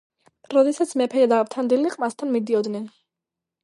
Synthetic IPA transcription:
ɾɔd̪ɛsat̪sʰmɛpʰɛjad̪avt̪ʰand̪iliqʼmast̪ʰanmid̪iɔd̪nɛn

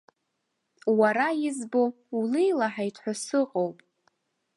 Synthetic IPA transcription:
waɾajɪzbo̞ | ulejlaħajtʰħʷᶣasɨqʼowpʼ

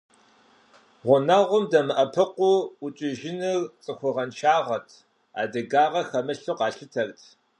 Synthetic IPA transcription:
ʁʷʊnɐʁʷʊmdɐmɨʔɐpʰɨqʷʊʊt͡ʃʼɪʒɪnɨrt͡sʼɨxʷʊʁɐnʃaːʁɐtʰ | a̰ːdɐɡaːʁɐxɐmɨɬuqɑːɬɨtʰɐrtʰ

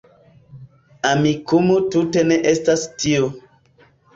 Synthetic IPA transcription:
amikumutute̞neʔestastio

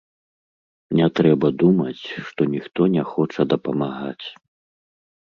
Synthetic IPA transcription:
nʲɛt̪ɾɛbɐd̪umɐt͡sʲʂt̪ɔnʲixt̪ɔnʲɛxɔt͡ʂɐd̪ɐpɐmaɣat͡sʲ

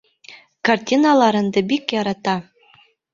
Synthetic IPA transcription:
kartʲinɑlˠɑɾɤ̆nd̪ɘ̆bʲikjɑɾɑt̪ɑ

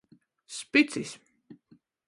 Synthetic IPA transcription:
spit̪sis

